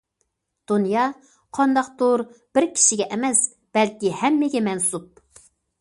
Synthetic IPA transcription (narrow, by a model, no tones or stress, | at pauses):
d̪̥unjɑ | qʰɑnd̪ɑq̚t̪oɾb̥ɪɾkʲʰi̥ʃɪɡʲɛʔɛmɛs | b̥ɛlkʲihɛmːɪɡʲɛmɛnsup̚